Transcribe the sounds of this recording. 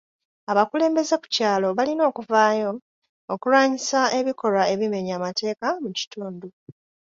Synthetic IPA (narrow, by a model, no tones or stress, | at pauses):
aβakule̞ːmbe̞ze̞ku̥caːlo̞βalino̞ːkuvaːjo̞ː | kulwaːɲisae̞βiko̞ɾae̞βime̞ɲaːmate̞ːkamuci̥tuːndu